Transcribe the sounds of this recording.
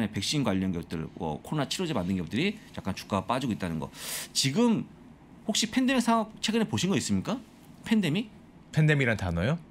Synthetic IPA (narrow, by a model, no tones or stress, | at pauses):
nepe̞k̚ɕ͈inɡwaʎːʌnɯnɡeʌp̚t͈ɯ̰wʌ̰kʰoɾonat͡ɕʰiɾod͡ʑemandɯnɡeup̚tɯɾijak͈ant͡ɕu̥k͈ap͈ad͡ʑiɡoit͈anɯnɡʌ̰t͡ɕiɡɯm | hok̚ɕ͈ipʰe̞ndemiksʰaŋak̚t͡ɕʰe̞ɡɯnepoɕʰinɡʌis͈ɯmɲik͈a | pʰe̞nde̞mi | pʰendemiɾantanojo